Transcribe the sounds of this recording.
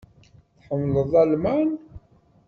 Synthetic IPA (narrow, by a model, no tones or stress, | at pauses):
θħəmːləðˤælmæn